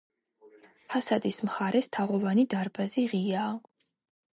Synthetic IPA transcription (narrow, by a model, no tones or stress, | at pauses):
pʰasad̪ismχaɾɛst̪ʰaʁɔvanid̪aɾbaziʁiaː